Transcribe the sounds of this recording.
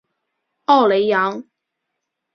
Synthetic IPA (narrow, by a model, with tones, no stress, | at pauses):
ɑ˥˩wle˨˧˥ɪja˨˥ŋ